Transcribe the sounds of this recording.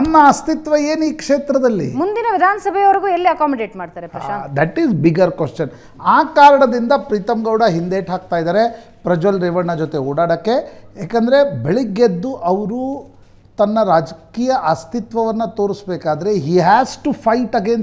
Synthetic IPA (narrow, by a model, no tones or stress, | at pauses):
ɐnːɐːst̪it̪ʋɐeːniːkʂeːt̪ɾɐd̪ɐlːḭmund̪inɐʋid̪ʱaːnɐsɐbʱɛjɐʋɐɾɡuːelːiɐkaːmɐɖeːʈmaːɖt̪aːɾeɐa̰ʃad̪ɛʈizbiɡɐɾkʋeʂt͡ʃɐn | aːkaːɾɐɳɐd̪ind̪ɐpɾiːt̪ɐmɡɐwɽɐɦind̪eːʈɦaːk̚t̪aːjd̪aːɾe̞ | pɾɐd͡ʒolɾɛʋɐɳːɐd͡ʒot̪e̞ɔːɽaːɽɐkːe̞jaːkɐnd̪ɐɾebeɭiɡːed̪ːuʔɐʋɐɾu | t̪ɐnːɐɾaːd͡ʒɐkiːjɐʔɐst̪it̪ʋɐʋɐnːɐt̪oːɾisbeːkaːd̪ɐɾe̞ɦiːɦæːsʈupʰɐjʈɐɡeːn